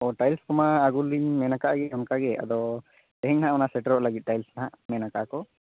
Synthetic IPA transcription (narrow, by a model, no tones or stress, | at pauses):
ɔʈajlskɔmaːɡuliɲmɛnakaʔɡɛɦɔmkaɡɛa̰d̪ɔ | t̪ɛɦɛŋnaɦaʔɔnaʔsɛʈəɾɔʔlaɡit̪̚ˀʈajlsnaɦaʔmɛnakaʔkɔ